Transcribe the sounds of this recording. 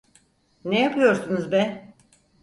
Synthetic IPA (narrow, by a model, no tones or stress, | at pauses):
nejapʰɯjo̞ɾsunuzbɛn